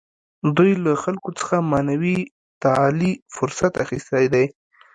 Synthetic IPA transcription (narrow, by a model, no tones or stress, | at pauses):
d̪ujlaxalkot͡sə̥xamɑnawi | t̪alifʊɾsat̪axist̪ajd̪aj